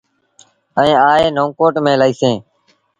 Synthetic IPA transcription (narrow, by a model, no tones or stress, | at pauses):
əɛĩːaːeːnõːkoːʈmẽːlaiːsẽː